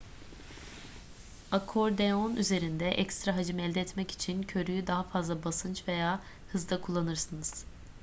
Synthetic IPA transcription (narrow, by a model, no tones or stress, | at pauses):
akʰo̞ɾd̪eonʔyze̞ɾind̪ɛʔɛcst̪ɾaɦad͡ʒɯmɛlʲd̪ɛːt̪mɛci̥t͡ʃʰincʰø̞ɾyjyd̪aɦafazlˠabasɯnt͡ʃve̞jaː | hɯzd̪ˠakʰulˠːanɯɾsɯnɯz̥